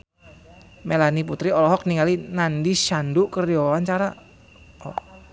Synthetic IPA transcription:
melaniput̪ɾiɔlɔɦɔk̚niŋalinandiʃandukərdowant͡ʃaɾa | ɔ̰

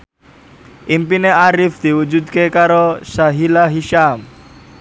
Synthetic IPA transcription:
ʔimpineaɾɪfd̪̥i̤wud͡ʒud̪̚kekaɾosaɦilaɦiʃam

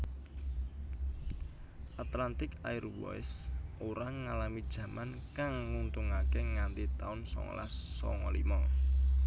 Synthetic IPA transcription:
ʔat̪lant̪ɪkairwɔ̰jsoɾaŋalamid̥ʒ̥ä̤mankaŋːunt̪uŋakeŋant̪it̪aʊnsɔ̰ŋɔ̰la̰sːɔ̰ŋɔlimɔ

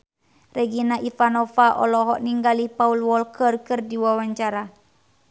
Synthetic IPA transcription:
rɛɡinaʔifanɔfaʔɔ̰lɔɦɔʔniŋɡalihpaulwɔlkərkərdiwawaɲt͡ʃaɾa

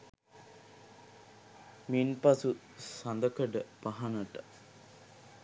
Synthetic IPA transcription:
minpasu | sand̪əkəɖəpaɦɐnəʈə̥

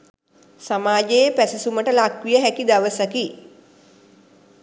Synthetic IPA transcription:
samaːd͡ʒejpæsisuməʈəlakʋijəɦækid̪aʋəsaki

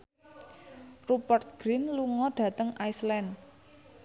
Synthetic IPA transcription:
rupərt̪̚ɡ̥ɾinluŋɔɖ̥ä̤t̪əŋajslɛnd

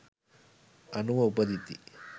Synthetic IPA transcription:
ɐnuʋɐupɐd̪it̪i

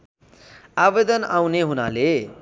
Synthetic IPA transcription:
abed̪ʌnawneɦuna̰le

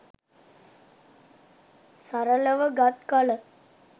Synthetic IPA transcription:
saɾələʋəɡat̪kalə

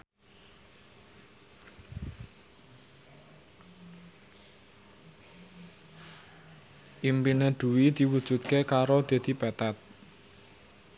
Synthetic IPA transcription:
ʔimpineɖ̪̥ṳwid̪̥i̤wud̥ʒ̥ṳt̪̚kekaɾod̪̥e̤d̪̥i̤pat̪at̪̚

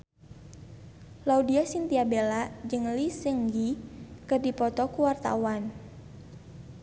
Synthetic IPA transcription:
laudiasint̪iabelad͡ʒɨŋlisəŋɡikɨrdipɔt̪ɔkuwart̪a̰wan

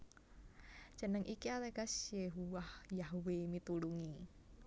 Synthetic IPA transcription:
ʒ̥ə̤nəŋʔikialeɡasjeɦuwahjaɦwemit̪uluŋi

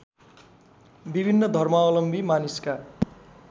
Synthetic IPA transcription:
bibʱinːʌd̪ʱʌrmaʌlʌmbʱimaniska

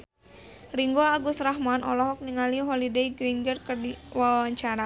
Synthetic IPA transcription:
riŋɡoaɡusraɦmanʔɔ̰lɔɦɔk̚niŋaliɦɔlidejɡɾiŋɡərkərdiwawaɲt͡ʃaɾa

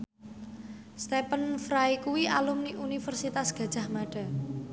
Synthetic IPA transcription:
st̪epənfɾajkuwiʔalumniʔunifərsit̪asɡ̥ä̤d̥ʒ̥a̤hmaɖ̥a̤

